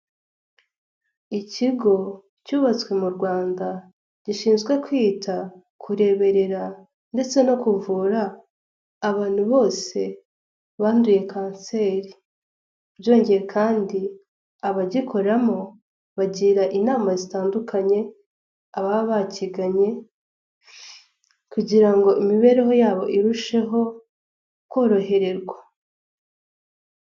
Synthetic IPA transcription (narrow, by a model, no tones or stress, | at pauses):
iciɡo̞ | cuːβat͡swe̞muɾɡwaːnda | ɟ̥iʃiːnzɡwe̞kwiːtʰa | kʰuɾe̞βe̞ɾe̞ɾa | nde̞t͡se̞no̞kuvuːɾaː | βaːn̥huβo̞ːse̞ | βaːnduje̞kaːnse̞ɾi | bɟo̞ːɲɟe̞jekʰaːndi | aβaɟikʰo̞ɾamo | βaɟiɾaʔinaːmazitaːndukʰaɲe̞ | aβaβaciɡaɲe̞ | kuɟiɾaŋɡo̞ʔimiβe̞ɾeɦo̞jaːβo̞ʔiɾuʃe̞ɦo̞ | kwo̞ːɾo̞ɦe̞ɾe̞ɾɡwa